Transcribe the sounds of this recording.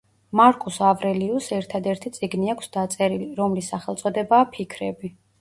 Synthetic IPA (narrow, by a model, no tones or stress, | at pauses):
maɾkʰʼusavɾɛliusɛɾt̪ʰad̪ɛɾt̪ʰit̪sʼiɡniakʷʰsd̪at̪sʼɛɾiliɾɔmlisːaχɛlˠt̪sʼɔd̪ɛbaːpʰikʰɾɛbi